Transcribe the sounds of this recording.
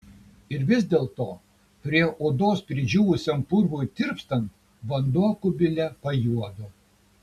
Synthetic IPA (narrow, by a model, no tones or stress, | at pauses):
ɪɾʋʲɪzʲd̪ʲeːlˠt̪oː | pʲɾʲiɛʔoːd̪oːspʲɾʲɪd͡ʒʲuːʋʊsʲompʊɾʋujt̪ʲɪɾpst̪ɐnt̪ | ʋɐnd̪uɔkʊbʲɪlʲɛpɐjuɔd̪oː